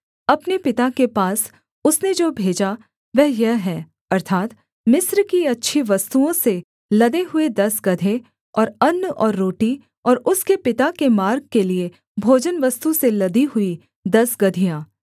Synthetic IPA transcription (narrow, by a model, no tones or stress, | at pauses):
ɐpnepɪt̪akepaːs | ʊsned͡ʒoːbʱeːd͡ʒa | ʋɛɦjɐɦɦɛː | ɐɾt̪ʰaːt̪ | mɪsɾkiɐtːʃʰiʋɐst̪uõse | lɐd̪eɦʊed̪ɐsɡɐd̪ʱe | ɔːɾɐnːɔːɾːoːʈi | ɔːɾʊskepɪt̪akemaːɾɡ̚kelie | bʱoːd͡ʒənʋɐst̪uselɐd̪iɦʊi | d̪ɐsɡɐd̪ʱijãː